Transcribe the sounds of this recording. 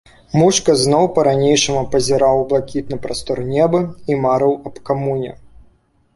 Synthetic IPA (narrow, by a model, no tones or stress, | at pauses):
muʂkɐznɔwpɐɾanʲejʂɐmupɐzʲɛɾawblˠakʲit̪̚nɨpɾast̪ɔrnʲɛbɨimaɾɨwɐpkamunʲɛ̰